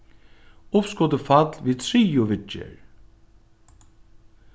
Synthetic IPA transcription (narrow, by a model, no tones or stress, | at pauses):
ʊpskɔd̪əfat̪lʋiːt̪ʰɾiːʊʋɪt͡ʃːə̰ɹ